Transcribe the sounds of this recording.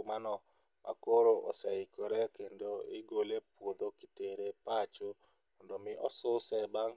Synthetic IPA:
manɔ | mʔa̰koɾoʔɔsɛɪkɔɾɛkendoɪɡolepwod̪okɪteɾepat͡ʃo | mɔndɔmɪʔɔsʊsɛbaŋ

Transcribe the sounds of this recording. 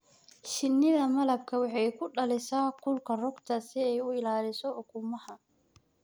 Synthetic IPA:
ʃɪnːɪðɐmɐlɐb̚kʰɐwɑħɑjkʰʊɖɐlɪsaːkʰʊlkʰɐrɔɡt̪ʰɐsɪɛjʊɪlaːlɪsɔʊkʰʊmɐhɐ

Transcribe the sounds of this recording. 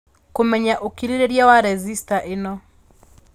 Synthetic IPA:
komɛɲaʔokiɾeɾeɾjawaɾɛzistaʔɪnɔ

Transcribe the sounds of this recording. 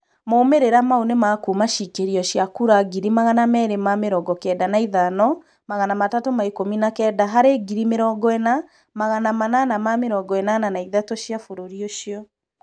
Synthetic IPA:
moːmeɾeɾamaonemakumaʃikeɾiɔʃjakuɾaɡiɾimaɣanamɛɾemameɾɔɡɔkɛːdanaiðanɔ | maɣanamatatomaekominakɛːdaɦaɾeɡiɾimeɾɔːɡɔɛna | maɣanamananamameɾɔːɡɔɛnananaiðatoʃjafoɾoɾioʃiɔ

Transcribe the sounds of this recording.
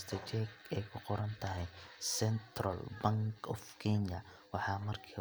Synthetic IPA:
st̪ʰɐt͡ʃɛɡɛjkʰʊqɔɾɐnt̪ʰɐɦɛjsɛnt̪rɐlbɐŋkʰɔfkʰɛɲɐ | wɑħɑːmɐrkʰiː

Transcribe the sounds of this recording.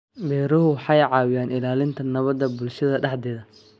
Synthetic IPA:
bɛːɾɐɦʊwħɑjʕɑːwɪjaːnɪlaːlɪnt̪ʰɐnɐβɐd̪ːɐbʊlʃɐðɐɖɑħd̪ɛːðɐ

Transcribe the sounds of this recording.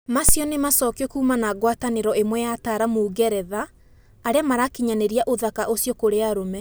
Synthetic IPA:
masjɔnemasɔkɔkuːmanaɡwataneɾɔemwɛjataɾamoːɡɛɾɛðaː | ɾeamaɾakiɲaneɾiaʔoðakaʔosjɔkoɾeaɾomɛ

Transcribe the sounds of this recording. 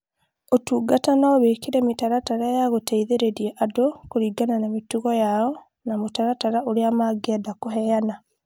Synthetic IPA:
otuːɡatanaoβekiɾemitaɾataɾajaɣoteiðeɾeɾieʔadokoɾiːɡananamituɣɔjaɔ | namutaɾataɾaoɾiamaɡedakoɦɛjana

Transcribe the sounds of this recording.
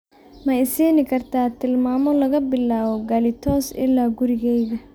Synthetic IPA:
mɐɪsiːnɪkʰɐrt̪ʰaːt̪ʰɪlmaːmɔlɐɣɐbɪlːaːwɔɡɐlɪt̪ʰɔːsʔɪ̰lːaːɡʊɾɪɣɛjðɐ

